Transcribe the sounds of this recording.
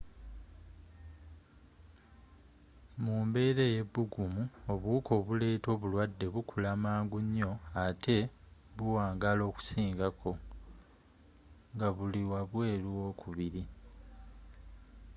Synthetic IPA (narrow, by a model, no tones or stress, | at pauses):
muːmbe̞ːɾe̞je̞βːuɡumuoβuːkʰo̞ːβule̞ːto̞ːβulwadːe̞βukʰulamaːŋɡuɲːo̞atʰe̞βuwaːŋɡalo̞ːku̥siːŋɡakʰo̞ | ŋɡaβuliwaβwe̞ːluo̞kʰuβiɾi